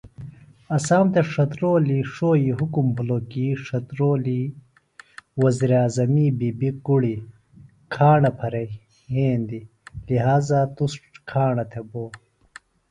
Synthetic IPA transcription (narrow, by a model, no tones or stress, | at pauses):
ɐsaːmt̪eʂɐt̪ɾoːliʂoːiɦukumbuloːkiʂɐt̪ɾoːli | wɐziɾaːzɐmibibikuɽi | kʰaːɳɐpʰɐɾɐ | heːnd̪i | liɦaːzat̪usʈʈkʰaːɳɐt̪ʰeboː